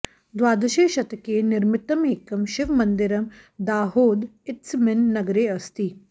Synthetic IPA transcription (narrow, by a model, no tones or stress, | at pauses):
d̪ʋaːd̪ɐʃeːʃɐt̪keːnɪɾmɪt̪ɐmeːkɐmʃɪʋmɐnd̪ɪɾɐm | d̪aːɦoːd̪ɪt̪smɪnːɐɡɾeːɐst̪iː